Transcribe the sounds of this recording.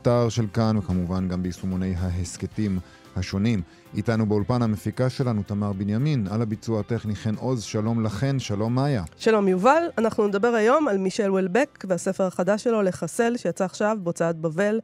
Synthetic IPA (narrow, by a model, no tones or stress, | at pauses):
taʁʃe̞lkanvekamuvanɡambeisumone̞jɦaɦesketim | haʃo̞nim | itanubeolpanhamefikaʃe̞lanut̪amaʁbenjaminalabit͡suateχniχeno̞zʃalo̞mlaχe̞nʃalo̞mːaːjaʃalo̞mjuvalanaχnuned̪abe̞ʁajo̞malmiʃe̞lwelbekvease̞feʁaχad̪aʃelo̞le̞χase̞lʃe̞jat͡saːχʃavbo̞t͡saat̪̚bave̞l